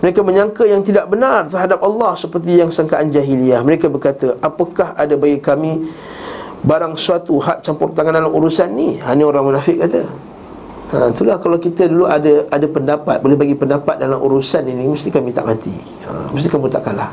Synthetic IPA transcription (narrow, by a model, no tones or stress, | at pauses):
məɾekaməɲãŋkəjaŋt̪idaʔbənart̪ərɦadap̚alˠːɑhsəpərt̪̬ijaŋsaŋkaʔand͡ʒaɦiliahməɾekabərkat̪əʔapəkahadabaikːamĩ | baɾaŋsuat̪uɦaʔ̚t͡ʃampɔrt̪aŋandalamuɾusanːihanəoɾaŋmənafɪʔ̚kat̪ə | ət̪ulahkalawkit̪əduluʔadəʔadapəndapat̪̚bolehbaɡipəndapat̪̚dalaʔṵɾusaniniməst̪ikamĩt̪a̰ʔmãt̪ḭ | ə̰məst̪ikamut̪a̰ʔkanlah